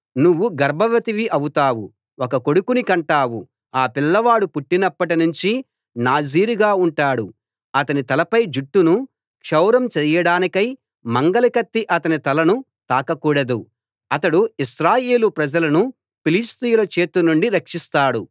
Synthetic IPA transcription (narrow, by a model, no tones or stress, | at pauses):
nuʋːuɡɐɾbʱɐʋɐt̪iʋiʔɐwut̪aːwu | okɐko̞ɽukunikɐɳʈaːwu | aːpilːɐʋaːɽupuʈːinɐpːɐʈinuɲt͡ʃi | naːd͡ʒiːɾiɡaːuɳʈaːɽu | ɐt̪ɐnit̪ɐlɐpɐjd͡ʒuʈːunu | kʂɐwɾɐmt͡ʃɛːjɐɽaːnikɐj | mɐŋɡɐlikɐt̪ːiʔɐt̪ɐnit̪ɐlɐnu | t̪aːkɐkuːɽɐd̪u | ɐt̪ɐɽuiʃɾaːje̞ːlupɾɐd͡ʒɐlɐnu | pilist̪ijulɐt͡ʃe̞ːt̪unuɳɖiɾɐkʂist̪aːɽu